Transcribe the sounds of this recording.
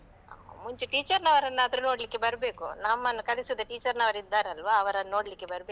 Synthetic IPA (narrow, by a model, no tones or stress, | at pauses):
muɲt͡ʃuʈiːt͡ʃɐɾnɐʋɐɾɐnːaɐd̪ɐɾuno̞ːɽlikːebɐɾɐbeːkṵnaːmːɐnːukɐlisud̪uʈiːt͡ʃɐɾnɐʋɐɾid̪ːaːɾɐlʋaːɐʋɐɾɐnːnoːɽlikːebɐɾbeː